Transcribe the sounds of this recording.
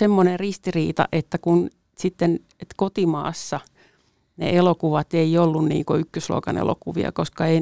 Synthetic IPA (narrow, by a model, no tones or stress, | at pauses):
semːonerrist̪iriːt̪ɑ̰ʔet̪ːækun | sit̪ːen | et̪kot̪imɑ̰ːsːɑ | nḛʔelokuʋɑt̪eiolːunnḭːŋkoykːøslo̰kɑnḛlo̰kuʋḭɑ̰koskɑei